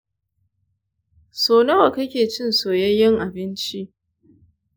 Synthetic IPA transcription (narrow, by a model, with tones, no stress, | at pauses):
soː˨nɐ˦wa˨kɐ˦kʲeː˨t͡ʃɪ˦nsoː˨jɐ˦jɪ˦ŋʔa˨bɪ˦nt͡ʃi˦ʔ